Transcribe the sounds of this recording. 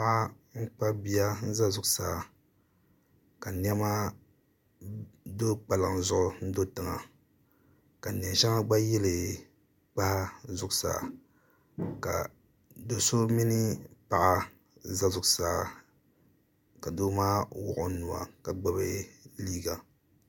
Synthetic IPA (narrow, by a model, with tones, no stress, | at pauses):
a˦ʔa˦ | ŋ͡m̩˦k͡pa˦bi˦a˦n̩˦za˦zʊ˨ɡsaː˨ | ka˨ni˦ɛ˦ma˦ | do˦k͡pa˨lɨ˨ŋ˨zʊ˦ʔʊ˦n̩˦do˦tɨ˨ŋa̰˨ | ka˨n˨ɛ˨ʃa˦ŋa˦ɡ͡ba˦jɛ˦lɨ˨ | k͡pa˦ha˦zʊ˨ʊ˨sa̰ː˨ | ka̰˨ | do˨so˦mi˦nɨ˦pa˨ʔa˨ | za˦zʊ˨ɡsaː˨˦ | ka˨do˦maː˦wɔ̰˨ʔʊ˨˦nu˨a̰˨ka˨ɡ͡ba˦be˦liː˦ɡa˨